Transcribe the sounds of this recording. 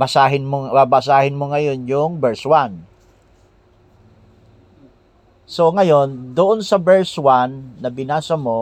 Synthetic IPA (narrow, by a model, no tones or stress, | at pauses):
ɐsaːɦɪnmobabɐs̬aːhɪnmoŋɐjo̞njʊŋbɛɹswan | so̞ŋɐjo̞nd̪ʊʔonsɐbɛɹswanːɐbɪnaːsɐmo̞